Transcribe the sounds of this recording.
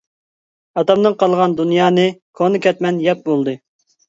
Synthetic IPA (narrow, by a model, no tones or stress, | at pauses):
ɑt̪ɑmd̪ɨŋqʰɑlˠʁɑnd̪unjɑːnɨkʰonɨkʲʰɛt̪mɛnjɛp̚bolˠd̪ɨ